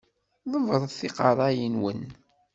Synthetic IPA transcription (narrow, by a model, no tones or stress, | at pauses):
ðˤəvəɾˤθiqɑɾˤɑjənwən